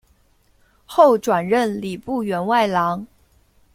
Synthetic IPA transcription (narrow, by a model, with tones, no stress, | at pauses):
xo˥˩ʊʈ͡ʂwa˨˩nɻə˥˩nli˨˩pu˥˩ɥɛ˧˥nwa˥˩ɪlɑ˧˥ŋ